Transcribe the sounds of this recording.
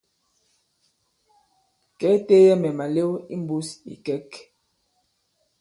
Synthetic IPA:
kɛ˨˦te˦jɛ˦mɛ˨ma˨le˦wi˦m˦bu˦sḭ˨kɛ˦k

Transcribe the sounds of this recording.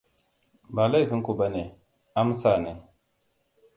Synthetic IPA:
ba˨la˦˨fi˦ku˨ba˦ne˨ | a˦m˦sa˦˨ne˨

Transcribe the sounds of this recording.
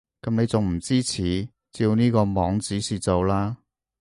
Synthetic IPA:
kɐ˨˥mne˨˧jt͡sʊ˨ŋm̩˨˩t͡siː˥t͡sʰiː˨˩ | t͡siː˧wniː˥kɔː˧mɔː˨˧ŋt͡siː˨˥siː˨˩t͡so˨wlaː˥

